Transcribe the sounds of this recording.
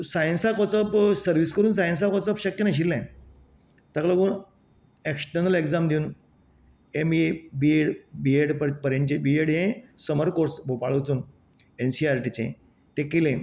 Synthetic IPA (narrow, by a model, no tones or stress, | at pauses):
sajənsakɔt͡səpsəɾʋiskəɾuːnsajəns̬akɔt͡səpɕəkjənaɕ̬illẽ | t̪aklokun | ekʂʈənəlekd͡zamd̪ʱiun | emibieɽbieɽpəpəɾjẽnt͡ɕebieɽɦẽsəməɾkoɾsbʱopaɭt͡suːn | ensiaɾʈit͡sḛ̃ | t̪ekelẽ